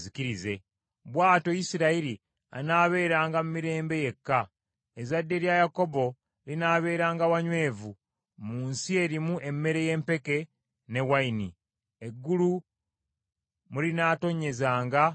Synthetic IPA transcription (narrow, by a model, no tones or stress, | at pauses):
zikiɾize̞ | βwaːto̞jisiɾaiɾi | a̰naːβe̞ːɾaːŋɡamumiɾe̞ːmbe̞je̞kːa | ezadːe̞ɾjajako̞bo̞ | linaːβe̞ːɾaːŋɡawaɲwe̞ːvu | muːnsie̞ɾimuʔe̞mːe̞ɾe̞je̞ːmpe̞ke̞ | ne̞waini | e̞ɡːulu | mulinaːto̞ɲe̞zaːŋɡa